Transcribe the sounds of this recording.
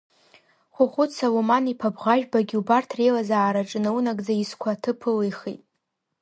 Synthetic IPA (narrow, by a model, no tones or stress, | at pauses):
χʷʊχʷʊt͡sʰalumanipʰabʁaʒᶣbaɡʲiubartʰrejlazaʕːɾaʈ͡ʂʼɨnɨunaɡʼd͡zaiskʷʰatʰɨpʰɨlejχḭtʼ